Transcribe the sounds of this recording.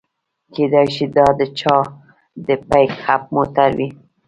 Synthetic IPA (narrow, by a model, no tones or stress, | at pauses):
ked̪ajʃid̪ɑd̪ət͡ʃɑ | d̪əpajkhap̚mot̪aɾwi